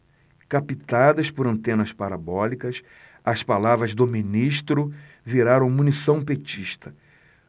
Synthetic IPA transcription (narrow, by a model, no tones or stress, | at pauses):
kapit̪ad̪ɐspʊɾɐ̃nt̪ẽnɐspaɾabɔlikɐs | ɐspalavɾɐzd̪ʊminiʃt̪ɾʊ | viɾaɾɐ̃w̃mũnisɐ̃w̃pet͡ʃiʃt̪ʰɐ